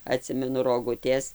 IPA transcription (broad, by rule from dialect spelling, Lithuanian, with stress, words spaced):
ɐˈtʲsʲɪmʲɛnʊ roːˈɡʊtʲeːs